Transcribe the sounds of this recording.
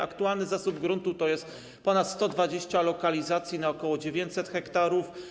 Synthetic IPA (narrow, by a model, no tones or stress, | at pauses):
a̰kt̪ualnɘzasubɡɾunt̪ut̪ɔjɛst̪ | pɔnat̪st̪ɔd̪vad͡ʑeɕt͡ɕalɔkalʲizat̪sʲjinaɔkɔwɔd͡ʑevʲjeɲt͡ɕsɛt̪xɛkt̪aɾuf